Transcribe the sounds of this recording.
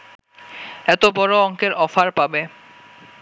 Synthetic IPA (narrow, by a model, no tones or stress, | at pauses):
ɛt̪obɔɾoɔŋkeɾɔfaɾpabe